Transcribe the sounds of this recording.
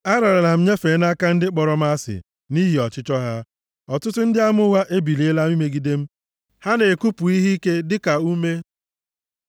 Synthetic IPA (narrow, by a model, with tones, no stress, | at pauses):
a˦ɾa˨ɾa˨la˨m̩˦ɲe˦fe˨˦na˦ka˦n̩˦dɪ˦k͡pɔ˨ɾɔ˦m̩˦a˦sɪ̰˨ | ni˦ɦi˨ɔ˨t͡ʃɪ˦t͡ʃɔ˦ɦa˦ | ɔ˨tʊ˦tʊ˦n̩˦dɪ˦a˦mʊ˦wa˦ʔe˦bi˨le˨˦e˦la˦m˦i˦me˦ɡi˦de˦m̩˦ | ha˦ne˨ku˦pu˨i˦ɦi˦ke˦dɪ˦ka˨u˦me˦